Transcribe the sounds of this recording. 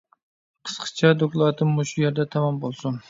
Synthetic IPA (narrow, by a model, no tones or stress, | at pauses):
qʰɨ̥sqɨ̥t͡ʃʰad̪okʲlˠɑt̪ʰɪmʊʃʊjeɾd̪at̪ʰamɒmbolˠsʊn